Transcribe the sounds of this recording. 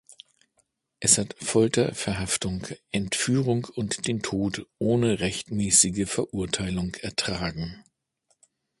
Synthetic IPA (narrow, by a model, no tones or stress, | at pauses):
ʔɛshatfɔltɐfɛɐɦaftʊŋkʔɛntfyːʁʊŋkʊntd̥eːntʰoːtʔoːnəʁɛçtmɛːsɪɡəfɛɐʔʊɐtʰaɪlʊŋɛɐtʁ̥aːɡŋ̩